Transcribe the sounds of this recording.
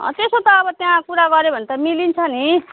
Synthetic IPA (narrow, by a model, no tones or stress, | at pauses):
ʌ̰t̪esot̪ʌːbʌt̪jãkuɾaɡʌɾebʱʌnt̪ʌmilint͡sʰʌni